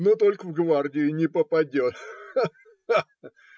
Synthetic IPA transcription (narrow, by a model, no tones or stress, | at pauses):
not̪o̞lʲkəvɡvardʲɪjʊnʲɪpəpɐdʲo̞t̪